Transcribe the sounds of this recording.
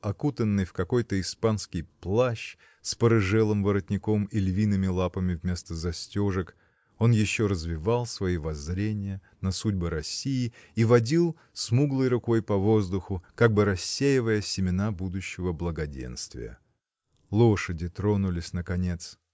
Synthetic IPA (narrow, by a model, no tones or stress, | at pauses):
ɐkut̪ənːɨjfkɐko̞jt̪əɪspanskʲɪjplˠaɕ | spəɾɨʐɛlˠɨmvəɾət̪ʲnʲɪko̞milʲvʲinɨmʲɪlˠapəmʲɪvmʲe̞st̪əzɐsʲtʲoʐɨk | o̞njɪɕːo̞ɾəzvʲɪvalˠsvɐivɐzɾʲenʲɪjə | nɐsudʲbəɾɐsʲːijɪivɐdʲilˠ | smuɡlˠɨjɾʊko̞jpɐvo̞zd̪ʊxʊkaɡ̚bɨɾɐsʲːejɪvəjəsʲɪmʲɪnabud̪ʊɕːɪvəblˠəɡɐdʲḛnst̪vʲɪ̰jə̰ | lˠoʂədʲɪt̪ɾonʊlʲɪsʲnəkɐnʲe̞t̪s